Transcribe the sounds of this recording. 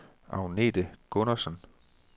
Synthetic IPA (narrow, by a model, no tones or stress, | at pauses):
ʔɑ̰̈ʊne̝̰ːd̥əɡ̥ɔnɐsən